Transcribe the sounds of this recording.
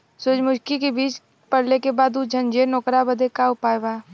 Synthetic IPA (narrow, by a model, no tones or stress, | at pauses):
sʊd͡ʒmʊʃkikebiːt͡ʃ | pɐɽ̤lekebaːd̪ud͡ʒʱənd͡ʒeːnɔːkɾabəd̪ekaʊpaːjbaː